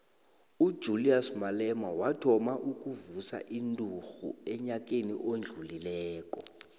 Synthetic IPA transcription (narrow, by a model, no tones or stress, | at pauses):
ud̥ʒ̥ʱuliasmalɛmawatʰɔmaʔuk̬ʼuvusa̰ʔindʼʱuxṵɛɲakʼeniʔond͡ɮʱulilɛːk̬ʼɔ